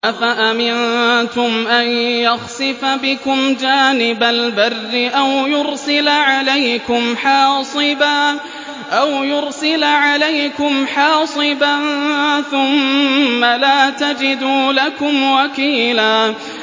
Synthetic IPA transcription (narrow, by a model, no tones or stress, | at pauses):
ʔafaʔamɪnt̪ʊmʔanjaxsɨfabɪkʊmd͡ʒaːnɪbalbarːɪʔawjʊɾsɪlʕalajkʊmħɑːsˤɨbaː | ʔawjʊɾsɪlʕalajkʊmħɑːsˤɨbanθʊmːalaːt̪ad͡ʒɪd̪uːlakʊmwakiːlaː